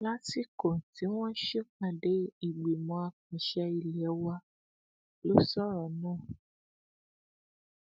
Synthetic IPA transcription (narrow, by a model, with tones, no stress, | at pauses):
la˦si˦ko˨n˨ti˨˦w̃ɔ̃˦ʃe˦k͡pã˨ɖe˦i˨ɡ͡bi˨mɔ̃˨a˨k͡pĩ˨ʃa˧i˨li˨ɛ˨˦wa˦ | lo˦sɔ˦ɾɔ˨nɔ̃˦˨